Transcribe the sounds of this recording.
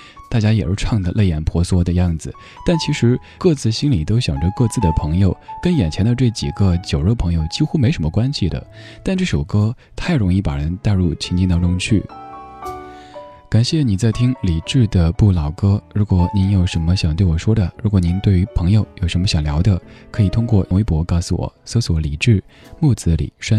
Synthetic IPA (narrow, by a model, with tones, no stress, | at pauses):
t̪a˥˩t͡ɕja˥jɛ˨˩˧ʈ͡ʂʰɑ˥˩ŋd̪ə˩le˥˩ɪjɛ˨˩npʰwɔ˧˥swɔ˥d̪ə˧jɑ˥˩ŋd͡zɹ̩˩ | t̪a˥˩nt͡ɕʰi˧˥ʂɻ̩˧˥ | kɤ˥˧t͡sɹ̩˥˩ɕi˥nli˨˩t̪o˥ʊɕjɑ˨˩ŋʈ͡ʂə˧˦kɤ˥˧t͡sɹ̩˥˩d̪ə˩pʰɤ˧˥ŋjo˧ʊkə˥njɛ˨˩nt͡ɕʰjɛ˧˥nd̪ə˧ʈ͡ʂɤ˥˩ɪt͡ɕḭ˨˩ɡə˦t͡ɕjo˨˩ʊɻɤ˥˩pʰɤ˧˥ŋjo˧ʊt͡ɕi˥xu˥me˧˥ɪʂə˧˥mə˧kwa˥nɕi˨d̪ə̰˩ | t̪a˥˧nʈ͡ʂɤ˥˩ʂo˨˩ʊkɤ˥ | t̪ʰa˥˩ɪɻʊ˧˥ŋi˥˩pa̰˨˩ɻə˧˥nt̪a˥˧ɪɻu˥˩t͡ɕʰi˧˥t͡ɕi˥˧t̪ɑ˥ŋʈ͡ʂʊ˥ŋt͡ɕʰy̰˥˩ | ka˨˩nɕjɛ˥˩ni˨˩t͡sa˥˩ɪt̪ʰi˥ŋli˨˩ʈ͡ʂɻ̩˥˩d̪ə˩pu˥˩lɑ˨˩ʊkɤ˥ɻu˧˥kwɔ˧˩ni˧˥njo˧˥ʊʂə˧˥nmə˧ɕjɑ˨˩ŋt̪we˥˩ɪwɔ˨˩ʂwɔ˥d̪ə˨ɻu˧˥k̬wɔ˨˩˦ni˧˥nt̪we˥˩ɪy˧˥pʰɤ˧˥ŋjo˨˧ʊjo˨˩ʊʂə˧˥nmə˧ɕjɑ˨˩ŋljɑ˧˥d̪ə˧kʰɤ˧˥i˨˩t̪ʰʊ˥ŋkwɔ˥˩˧we˧˥pwɔ˧˥kɑ˥˩ʊsṵ˧wɔ̰˨˩˦so˧˥swɔ˧˥li˨˩ʈ͡ʂɻ̩˥˩ | mu˥˩t͡sɹ̩˧˥lḭ˨˩˦ʂwa˥